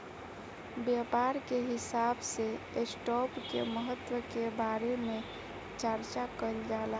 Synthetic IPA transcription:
bjapaɾkeɦisabse | esʈɔpkeməɦət̪ːwəkebaɾeme | t͡ʃəɾt͡ʃakəld͡ʒala

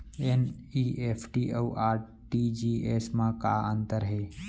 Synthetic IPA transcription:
eniːʔeːpʰʈiːʔəuʔaːɾ | ʈid͡ʒieːsmãka̰ə̃nt̪əɾɦeː

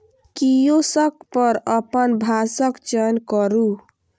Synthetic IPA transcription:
kijosək̚pəɾəpənbʱasəkt͡ʃənkəɾu

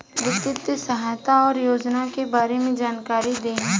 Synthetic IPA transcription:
ʋɪt̪ɪt̪əsɐɦaːjt̪aɔːɾjoːd͡ʒnakebaːɾemẽd͡ʒaːnkaːɾid̪ẽː

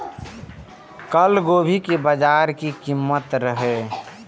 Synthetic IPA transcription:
kəlɡobʱikebəd͡ʒaɾkikimːət̪ɾəɦe

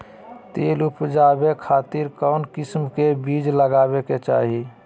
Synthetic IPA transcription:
t̪eːlupd͡ʒabekʰaːt̪iɾkɔʊnkɪsmkebid͡ʒləɡaːbeket͡ʃa̰ːɦi

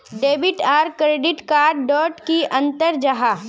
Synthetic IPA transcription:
ɖeːbɪʈaːɾkɾeːɖɪʈkaːɾɖɖɔːʈkiʔɐ̃nt̪əɾd͡ʒaɦa

